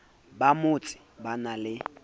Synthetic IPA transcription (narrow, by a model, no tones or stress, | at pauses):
bamʊt͡sʼɪ̥banalɪ